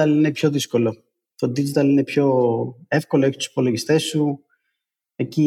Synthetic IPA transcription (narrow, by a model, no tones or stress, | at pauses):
ɐlinepço̞ðiskolo̞ | t̪od̪id͡ʒit̪ɐline̞pço̞efkoloeçi̥t̪u̥si̥po̞loʝist̪e̞sːu | e̞ci